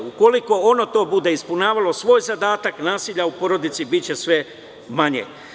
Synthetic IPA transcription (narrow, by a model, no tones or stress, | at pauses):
uko̞liko̞ono̞t̪o̞ːbud̪e̞ispunaːʋalo̞sʋo̞ːjzad̪aːt̪aknaːsiʎaupo̞ɾo̞d̪it̪sibit͡ɕe̞sʋe̞ | maɲḛ